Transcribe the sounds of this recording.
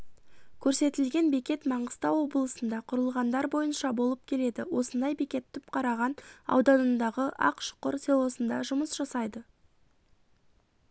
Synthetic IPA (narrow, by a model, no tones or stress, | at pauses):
kʲʰɵɾse̞t̪ɪlɡʲe̞nbekʲe̞t̪mɑɴəst̪ɑwːo̞blˠəsənd̪ɑqʰʊɾəlˠʁɑnd̪ɑɾbo̞jənʃɑbo̞lˠəp̚kʲʰe̞le̞d̪ɪwo̞sənd̪ɑjbekʲe̞t̪ʰːʏp̚qʰɑɾɑʁɑnɑ̰wd̪ɑnənd̪ɑʁəʔɑ̰qʃʊ̥qəɾselˠo̞sənd̪ɑʒʊməsʒ̥ɑsɑjd̪ə